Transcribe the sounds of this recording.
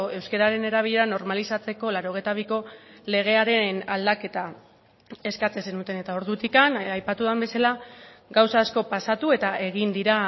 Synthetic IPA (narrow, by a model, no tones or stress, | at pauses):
oe̞wske̞ɾaɾe̞ne̞ɾaβ̞iʎe̞ɾano̞ɾmalisat͡se̞ko̞laɾo̞ɣ̞e̞jt̪aβ̞iko̞le̞ɣe̞aɾe̞nald̪ake̞t̪a | e̞skat͡se̞se̞nut̪e̞ne̞t̪ao̞ɾðut̪ikanajpat̪uðambe̞sala | ɡawsaːsko̞pasat̪ue̞t̪ae̞ɣ̞ind̪iɾa